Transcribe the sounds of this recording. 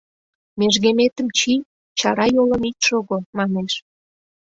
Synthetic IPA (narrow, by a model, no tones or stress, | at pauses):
meʒɣemet̪əmt͡ɕi | t͡ɕɑɾɑjoləmit̪ʃoɣomɑneʃ